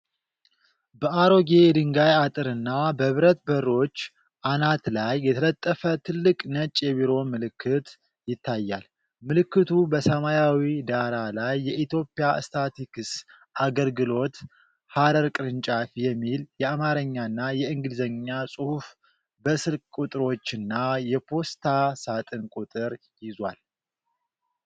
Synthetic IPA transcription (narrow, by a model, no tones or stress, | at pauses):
bəʔaɾo̞ɡe̞d̪ɨŋɡajat̪ʼɨɾɨnːabəβɾət̪bərːo̞t͡ʃː | ʔanat̪lajːɛt̪ʰələt̪ʼːəfət̪ʰɨlːɨkʼnət͡ʃʼːjɛβiɾo̞mɨlɨkʰːɨt̪ | jɪt̪ːajːal | mɨlɨkːɨt̪ʰubəsəmajawid̪aɾalajːɛʔit̪ʰjo̞pʼːɪja̰st̪ʰat̪ikɨs | ʔaɡəlɡɨlo̞t̪ | haɾəɾkʼɨɾɨnt͡ʃʼafjɛmːiljɛamaɾəɲːaɨnːajɛɨŋɡɨlzəɲːasʼuhuf | bəsɨlkʼkʼut̪ʼɨɾo̞t͡ʃːɨnːajɛpʰo̞st̪ʰasat̪ʼɨnkʼut̪ʼɨɾ | jɪzwal